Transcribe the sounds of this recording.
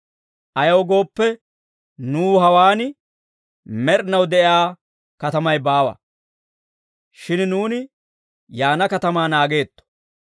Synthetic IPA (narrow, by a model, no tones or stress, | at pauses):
ʔɐjɐwɡo̞ːpːɛ | nuːɦɐwaːnɪ | mɛɾnɐwd̪ɛʔɪaː | kɐt̪ɐmɐjbaːwɐ̰ | ʃɪnnuːnɪ | jaːnɐkɐt̪ɐmaːnaːɡe̞ːt̪ːɔ̥